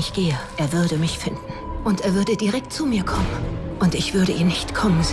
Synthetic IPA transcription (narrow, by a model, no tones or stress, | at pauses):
ɪçɡ̥eːəʔeːɐvʏɐdəmɪçfɪndn̩ʔʊnteːɐvʏɐdədiʁɛk̚tt͡sumiːɐkʰɔmənʔʊntɪçv̥ʏɐɾəʔiːɐnɪçtkʰɔmənz